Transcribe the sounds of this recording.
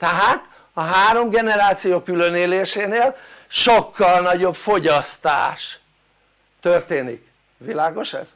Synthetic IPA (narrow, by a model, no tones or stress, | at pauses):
t̪ɛɦaːt̪ | ɒɦaːɾo̞mɡɛnɛɾaːt̪sijoːkːyløneːleːʃeːneːlʃo̞kːɒlnɒɟo̞bfo̞ɟɒst̪a̰ːʃ | t̪ørt̪eːnik | vilaːɡoʃɛ̰z̥